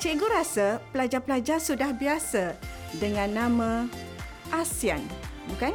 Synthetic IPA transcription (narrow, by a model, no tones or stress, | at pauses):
t͡ʃeɡuɾasəpəlad͡ʒapəlad͡ʒasudahbiasə | dəŋãnːãmã | ʔasianbukan